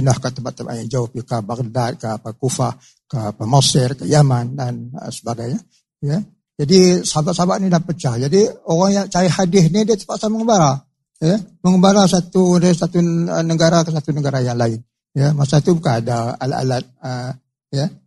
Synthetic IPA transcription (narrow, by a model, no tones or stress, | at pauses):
ənahkat̪ːəmpaʔt̪ːəba̰ʔjaŋd͡ʒaʊhpikabakədat̪̚kapakufah | kapamasɪrkəjamandanə̰səbaɡajɲa | jə | d͡ʒadisabaʔ̪̚sabaʔ̚nidapət͡ʃahd͡ʒadioɾaŋjaŋt͡ʃaɾɪhadɪhnidiat̪ə̥paʔsaməŋəbaɾa | jəməŋəbaɾasat̪udaisat̪uənəɡaɾakəs̬at̪unəɡaɾajaŋlaɪn | jəmasat̪ubukaadaa̰la̰ʔa̰lat̪̚ə | jə